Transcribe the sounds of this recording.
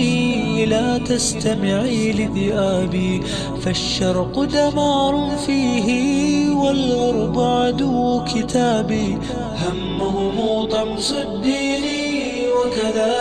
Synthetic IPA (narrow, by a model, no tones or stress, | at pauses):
laːt̪ast̪amɪʕiːlɪðɪʔaːbiː | faʃːɑɾˤqd̪amɑːɾˤʊ | fiːɦɪwalɣɑɾˤbʊʕd̪ʊkɪt̪aːbiː | hamːahʊmuːt̪ˤɑmsɪd̪ːiːniː | wakaðaː